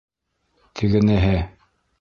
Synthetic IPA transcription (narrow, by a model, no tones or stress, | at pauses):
t̪ʰiɡɘ̆næɦɘ